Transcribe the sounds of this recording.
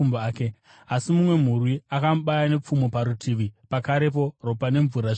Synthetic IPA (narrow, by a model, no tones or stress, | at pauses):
umbːke | asimumwe̞m̤urwiakamuɓajane̞p͡fumopaɾutʰiʋipakaɾe̞p̬o̞ro̞pane̞ɱvuɾaʐ